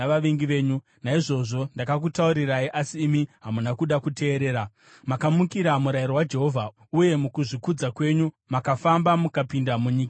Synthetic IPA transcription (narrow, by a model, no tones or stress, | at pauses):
aʋaʋiŋɡiʋe̞ːɲu | naiʐo̞ʐo̞ndakak̬utauɾiraiʔasiːmiɦamunakuɗakute̞ːɾe̞ːɾa | makamukiɾamuɾairowad͡ʒe̞ɦo̞vʱa | uje̞mukuʐikud͡zakwe̞ɲu | makafambamukapindamuɲiːka